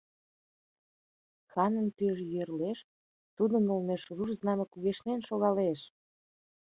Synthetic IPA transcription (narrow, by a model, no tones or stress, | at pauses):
xɑnənt̪yʒjørleʃ | t̪ud̪ənolmeʃrurznɑmekuɣeʃnenʃoɣɑleʃ